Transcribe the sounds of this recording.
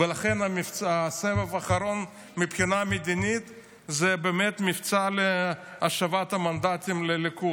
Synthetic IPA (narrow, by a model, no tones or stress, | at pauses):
velaχenamift͡sasevevaχaɾo̞n | mipχinamed̪init̪ | zebeːmet̪mift͡saleaʃavat̪amand̪at̪imleliku